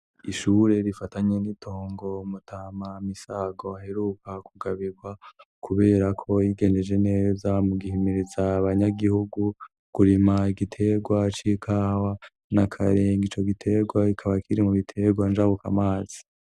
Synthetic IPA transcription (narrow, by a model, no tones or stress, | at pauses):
iʃuɾe̞ɾifataɲenitʰo̞ːŋɡo̞mutʰaːmamisaːɡo̞aheɾukakuɡaβiɡwa | kuβe̞ːɾakʰo̞jiɡe̞ːnde̞d͡ʒe̞ne̞ːzamuɡihimiɾizaβaɲaɡihuɡu | kuɾimaiɡitʰe̞ɡwat͡ʃikʰaːwa | nakʰaɾe̞ːŋɡit͡ʃo̞ɡitʰe̞ɡwaikʰaβakʰiɾimuβitʰe̞ɡwanʒaβuka̰maːz̥i̥